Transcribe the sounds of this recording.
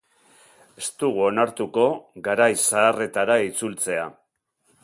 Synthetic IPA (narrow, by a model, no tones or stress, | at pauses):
e̞st̪uɣuo̞naɾt̪uko̞ɣaɾajsaːre̞t̪aɾait͡sult͡se̞a̰